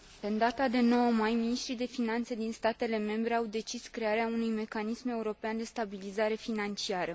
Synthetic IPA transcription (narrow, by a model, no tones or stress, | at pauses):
ɨnd̪at̪ad̪e̞no̞wəmajminiʃt̪ɾid̪e̞finant̪se̞d̪inst̪at̪e̞le̞me̞mbɾe̞awd̪e̞t͡ʃiskɾe̞aɾeaunujme̞kanisme̞uɾo̞peand̪e̞st̪abilizaɾe̞finant͡ʃiaɾə